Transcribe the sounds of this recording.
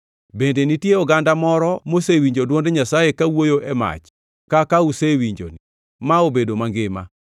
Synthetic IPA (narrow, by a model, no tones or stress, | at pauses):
bendenitjeɔɡandamɔɾɔmosewiɲd͡ʒodwondeɲasajekawojoʔɛma̰t͡ʃ | kakausewiɲd͡ʒo̰ni | maobedomaŋɡɪma̰